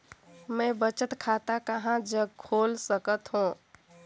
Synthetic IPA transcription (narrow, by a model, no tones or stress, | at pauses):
mə̃bət͡ʃət̪kʰat̪akəɦãd͡ʒəɡ̚kʰolsəkət̪ɦũ